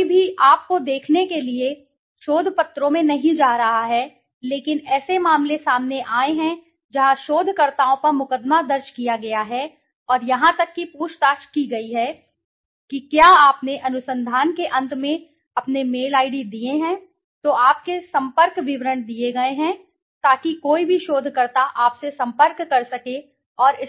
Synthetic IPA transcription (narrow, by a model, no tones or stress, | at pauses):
bʱiʔaːp̚kod̪eːkʰnekelie | ʃoːd̪ʱpɐt̪ɾõmẽnɐɦĩd͡ʒaːɾɐɦaɦɛ | leːkɪnɛːsemaːmlesaːmneʔaːeɦɛ̃ | d͡ʒɐɦãʃoːd̪ʱkɐɾt̪aːõpɐɾmʊkəd̪mad̪ɐɾʃkijaɡɐjaɦɛ | ɔːɾjɐɦãt̪ɐkːipuːʃt̪aːʃkiɡɐiɦɛ | kikjaːaːpneʔɐnʊsə̃nd̪ʱaːnkeʔɐ̃nt̪mẽ | ɐpnemeːlaːɪɖid̪ieɦɛ̃ː | t̪oaːp̚kesɐ̃mpəɾkʋɪʋɾəɳd̪ieɡɐeɦɛ̃ | t̪aːkikoːibʱiʃoːd̪ʱkɐɾt̪aʔaːpsesɐ̃mpəɾkːɐɾsɐke | ɔːɾɪ